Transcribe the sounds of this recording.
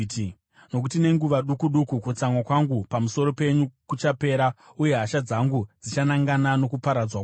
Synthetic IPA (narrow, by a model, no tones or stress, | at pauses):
no̞k̬utine̞ŋɡuʋaɗukuɗukukut͡samwakwaŋɡupamuso̞ɾo̞pe̞ɲukut͡ʃape̞ːɾauje̞ɦaʃad͡zaŋɡud͡zit͡ʃanaŋɡanano̞kupaɾad͡zwa